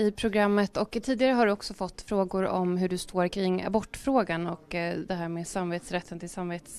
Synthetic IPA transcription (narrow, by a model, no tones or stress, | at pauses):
ɪpʰɾʊɡɾamːət̪ɔkt̪ʰiːd̪ɪɡaɾəɦaɾɖɵɔksɔfɔt̪ːfɾoːɡʊɾɔ̰mɦɵɖɵst̪ʰoːɾkʰɾɪŋːa̰bɔʈːfɾoːɡanɔkd̪ɛɦæːɾmeːd̪samːveːt̪sɾɛt̪ːənt̪ʰɪlsamveːt̪s